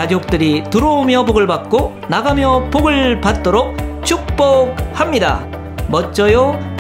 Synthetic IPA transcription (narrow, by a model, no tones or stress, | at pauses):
ad͡ʑok̚t͈ɯɾitɯɾoomjʌboɡɯɭbak̚k͈o | naɡamjʌpoɡɯɭpat̚t͈oɾok̚t͡ɕʰuk̚p͈ok̚hamɲida̰ | mʌt͡ɕ͈ʌjo